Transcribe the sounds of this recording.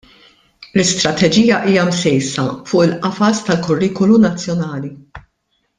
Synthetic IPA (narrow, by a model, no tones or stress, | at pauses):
lɪst̪ɾɐt̪ɛd͡ʒiːjɐʔiːjɐmsɛjsɐfʊːʔɪlʔɐfɐst̪ɐlkʊrːiːkɔlunɐt͡sːjɔnɐːli